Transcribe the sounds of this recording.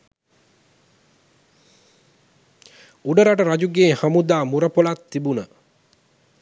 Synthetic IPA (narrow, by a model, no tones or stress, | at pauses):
uɖəɾaʈəɾad͡ʒuɡeːhamud̪aːmuɾəpolat̪ːibunə